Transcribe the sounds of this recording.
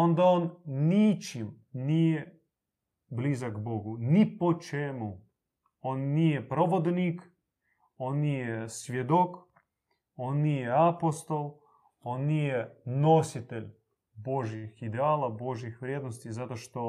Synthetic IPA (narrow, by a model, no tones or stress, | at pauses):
o̞nd̪aonnit͡ʃim | nije | blizaɡboɡunipot͡ʃemu | onːijepɾoʋod̪nik | onːijesʋʲjed̪ok | o̞nːijeapost̪o̞lˠ | onːijenosit̪eʎʲ | boʒjixid̪eaːlˠabo̞ʒjixʋɾjed̪nost̪izat̪oʃt̪o